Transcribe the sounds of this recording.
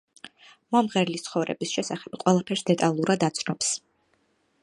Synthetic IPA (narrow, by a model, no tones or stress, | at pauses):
mɔmʁɛɾlist̪sʰχɔvɾɛ̰bisʃɛsaχɛbqʼwɛlˠapʰɛɾsd̪ɛt̪ʼalˠuɾad̪at̪sʰnɔps